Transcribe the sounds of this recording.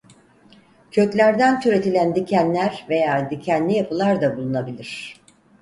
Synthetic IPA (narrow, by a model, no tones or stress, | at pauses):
cʰøt̪lʲæɾd̪ænt̪ʰyɾe̞t̪ʰilʲænd̪icʰænlʲæɾve̞jaːd̪icʰænlʲijapʰɯlˠaɾd̪abulˠunabilʲiɾ̝̥